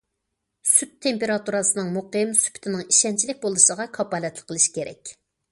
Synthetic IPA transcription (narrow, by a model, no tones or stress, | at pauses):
syt̪ʰːempeɾɑt̪uɾɑsɨnɨŋmoqmsy̥pʰy̥t̪ʰɪnɪŋiʃɛnt͡ʃʰilɪk̚ʲbolˠɨʃəʁɑkʰɑpɑːlɛt̪lˠɪ̥qʰːəlˠɨʃkʲʰeɾɛ̰kʲ